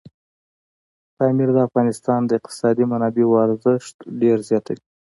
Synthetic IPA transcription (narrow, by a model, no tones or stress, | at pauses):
t̪ɑmiɾd̪əafɣɑnɪst̪ɑnd̪əɪq̚t̪ɪ̥sɑd̪imanɑbewɑɾzəʃt̪ɖeɾzjɑt̪ai̥